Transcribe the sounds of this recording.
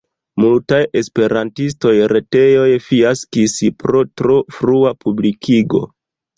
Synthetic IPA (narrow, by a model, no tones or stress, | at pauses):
multaje̞spe̞ɾantis̬to̞jɾe̞te̞jo̞jfiaskispɾo̞tɾofɾuapublikʰiɡo̞̰